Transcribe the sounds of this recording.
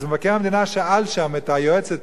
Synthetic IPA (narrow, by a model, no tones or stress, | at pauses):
zmevakɛʁamed̪inaʃɛalʃamɛtajoɛt͡sɛt